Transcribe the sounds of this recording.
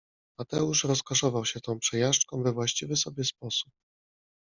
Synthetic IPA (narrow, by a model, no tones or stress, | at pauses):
mat̪ɛuʂɾɔskɔʂɔvawɕɛt̪ɔ̃w̃pʂɛjaʂt͡ʂkɔ̃w̃vɛvwaɕt͡ɕivɘsɔbʲjɛspɔsu̥p̚